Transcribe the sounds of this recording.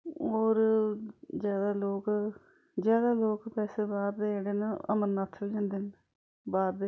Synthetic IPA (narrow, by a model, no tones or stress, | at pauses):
oːɾ | d͡ʒjaːd̪aːloːk | d͡ʒjaːd̪aːloːkpɛːseːbaːɾd̪eeːɽeːnəə̰mənːaːt̪ʰːəld͡ʒãːnd̪eːn | baːɾd̪e